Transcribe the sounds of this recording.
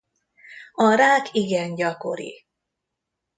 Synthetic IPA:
ɒɾaːkiɡɛnɟɒko̞ɾḭ

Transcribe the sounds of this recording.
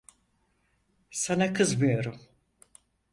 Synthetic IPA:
sanakʰɯzmɯjo̞ɾum

